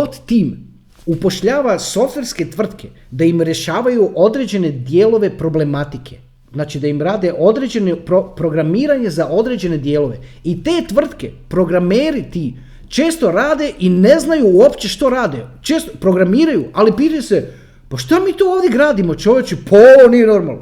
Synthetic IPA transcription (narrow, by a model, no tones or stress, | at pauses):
ot̪t̪iːm | upo̞ʃʎaːʋaso̞ft̪ʋeɾske̞t̪ʋr̩t̪kʰe̞ | d̪aimɾjeʃaːʋajuʔo̞d̪ɾe̞ːd͡ʑe̞ne̞d̪jeːlˠo̞ʋe̞pɾo̞ble̞mat̪ikʰe̞ | znaːt͡ʃid̪aimɾaːd̪e̞ʔo̞d̪ɾed͡ʑe̞nopɾopɾo̞ɡɾamiːɾaɲe̞zaʔo̞d̪ɾe̞d͡ʑe̞ne̞d̪je̞ːlˠo̞ʋe̞it̪e̞ːt̪ʋr̩t̪ke̞̰pɾo̞ɡɾame̞ːɾit̪i | t͡ʃe̞ːst̪o̞ɾaːd̪e̞ʔine̞znajuːopt͡ɕe̞ʃt̪o̞ɾaːd̪et͡ʃe̞ːst̪opɾo̞ɡɾamiːɾajuʔalipiːt̪ajuse | paʃt̪amiːt̪ooːʋd̪jeɡɾaːd̪imo̞t͡ʃo̞ʋjet͡ʃipʰonie̞no̞ɾma̰lˠno